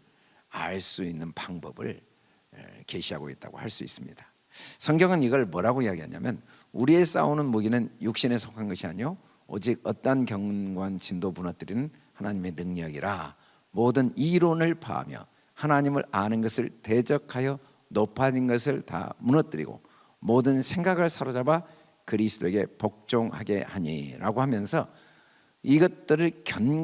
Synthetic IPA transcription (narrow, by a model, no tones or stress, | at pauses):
a̰ɭs͈uinːɯnpaŋbʌbɯ̰ɭ | ke̞ɕʰiɦaɡoit̚t͈a̰ɡo̰haɭs͈uḭs͈ɯmɲḭd̥ḁ | sʰʌŋɡjʌŋɯniɡʌɭmʌɾaɡoijaɡiɦa̰ɲa̰mjʌn | uɾie̞s͈a̰unɯnmuɡinɯnjuk̚ɕ͈ine̞sʰokʰanɡʌɕʰiaɲijo | o̰d͡ʑiɡ̚ʌt͈ʌnkjʌŋɡwant͡ɕindomunʌt͈ɯɾinɯn | hanaɲime̞nɯŋɲʌɡiɾa | modɯniɾonɯɭpa̰a̰mjʌ̰ | hanaɲimɯɾanɯnɡʌsʰɯɭte̞d͡ʑʌkʰajʌ | nopʰad͡ʑinɡʌsʰɯɭta̰munʌt͈ɯɾḭɡo̰ | modɯnsʰe̞ŋɡaɡɯɭsʰaɾod͡ʑaba | kɯɾisʰɯt͈oe̞ɡe̞pok̚t͡ɕ͈oŋhaɡe̞̰haɲḭɾa̰ɡohamjʌnsʰʌ | iɡʌt̚t͈ɯɾɯɭkjʌn